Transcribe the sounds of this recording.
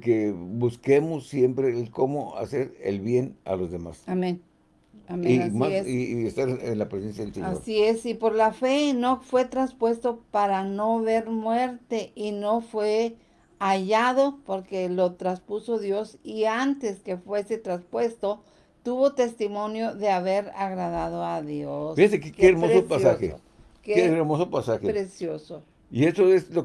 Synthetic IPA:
kebuske̞mosːje̞mpɾekomoa̰se̞ɾḛlβje̞na̰lozðema̰samẽn | amemassiest̪aɾḛnlapɾesensjaðelsḛaoɾsiesipo̞ɾlafe̞no̞fwe̞t̪ɾanspwe̞st̪o̞paɾano̞βe̞ɾmwe̞ɾt̪e̞ʔino̞fwe̞ | aʝaðo̞po̞ɾke̞lo̞t̪ɾaspuso̞ðjo̞siant̪eske̞fwe̞se̞t̪ɾaspwe̞st̪o̞ | t̪uβo̞t̪e̞st̪imo̞njo̞ðe̞aβe̞ɾaɣɾaðaðo̞aðjosfihasekkeːɾmosopasaxḛ | keeɾmosopasaxepɾesjoso | iesoeslo

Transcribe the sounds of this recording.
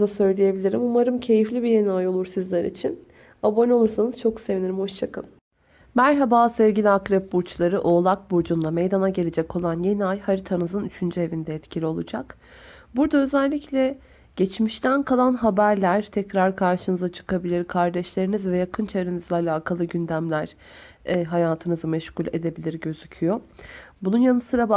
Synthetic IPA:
asø̞jlʲije̞bilʲiɾimumaɾɯmcʰe̞jiflʲibijeniajo̞lˠuɾsizlʲɛɾḭt͡ʃʰin | abo̞nʲo̞lˠuɾsanɯz̥t͡ʃʰo̞kse̞viniɾimho̞ʃt͡ʃʰakɯn | mæɾɦabaːsɛvɟilʲiakɾɛp̚buɾt͡ʃlˠaɾɯʔo̞ːlˠak̚buɾd͡ʒund̪amejd̪anaɟe̞lʲed͡ʒɛkʰo̞lˠanje̞niajhaɾit̪ʰanɯzɯnyt͡ʃʰynd͡ʒye̞vind̪ɛːt̪cʰilʲio̞lˠud͡ʒak | buɾd̪aø̞zɛlʲːiclʲɛ | ɟ̥ɛt͡ʃmiʃt̪ʰænkʰalˠanɦabæɾlʲæɾt̪ʰɛcɾaɾkʰaɾʃɯnɯzat͡ʃʰɯ̥kʰabilʲiɾkʰaɾd̪ɛʃlʲe̞ɾinizvɛjakʰɯnt͡ʃʰaɯɾɯnɯzaːlʲaːkʰalˠɯɟynd̪æmlʲæɾ̥ | ɦajaːt̪ʰɯnɯzɯmɛʃkulʲe̞d̪e̞bilʲiɾɟø̞zycʰyjobununjanɯsɯɾab

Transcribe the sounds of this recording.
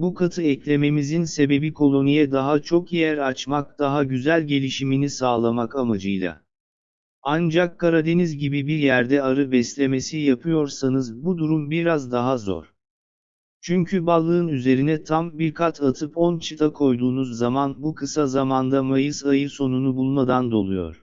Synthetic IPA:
bukʰat̪ʰɯɛclʲe̞me̞mizinse̞be̞bikʰo̞lˠo̞nijɛd̪aɦat͡ʃʰo̞kijæɾat͡ʃmak̚d̪̥aɦaɟyzælʲɟe̞lʲiʃiminisaːlˠamakamad͡ʒɯjlˠa̰ | and͡ʒakːaɾad̪e̞nizɟibibiɾjæɾd̪ɛaɾɯbɛslʲe̞me̞sijapʰɯjo̞ɾsanɯzbud̪uɾumbiɾazd̪aɦazo̞̰ɾ̥ | t͡ʃʰyɲcʰybalˠːɯɯnyze̞ɾinɛt̪ʰambiɾkʰat̪ʰat̪ʰɯpɔnt͡ʃʰɯt̪ʰakʰo̞jd̪uːnuzːamanbukʰɯsazamand̪amajɯsajɯso̞nunubulˠmad̪and̪o̞lˠujo̞̰ɾ̥

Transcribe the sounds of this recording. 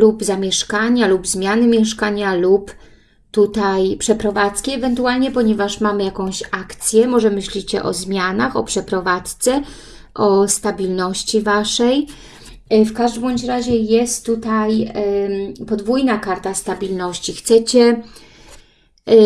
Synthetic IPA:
lupzamʲjɛʂkaɲalubzmʲjanɘmʲjɛʂkaɲalup | t̪ut̪ajpʂɛpɾɔvat̪skʲɛɛvɛnt̪ualɲɛpɔɲɛvaʂmamɘjakɔ̃w̃ɕakt̪sʲjɛmɔʐɛmɘɕlʲit͡ɕɛ̰ʔɔ̰zmʲjanaxɔ̰pʂɛpɾɔvat̪st̪sɛ | ʔɔst̪abʲilnɔɕt͡ɕivaʂɛj | fkaʐd̪bɔɲt͡ɕɾaʑɛjɛst̪ːut̪aj | pɔd̪vujnakaɾt̪ast̪abʲilnɔɕt͡ɕixt̪sɛt͡ɕɛ

